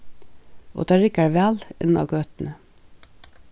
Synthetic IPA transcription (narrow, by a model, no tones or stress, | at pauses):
ʔo̰ːd̪̥eːɹɪkæːɹʋælɪ̰nɑ̰ɡøːt̪n̩ə